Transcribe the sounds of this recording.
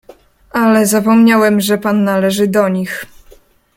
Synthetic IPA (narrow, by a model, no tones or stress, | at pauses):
ʔalɛzapɔmɲawɛmʐɛpanːalɛʐɘd̪ɔɲix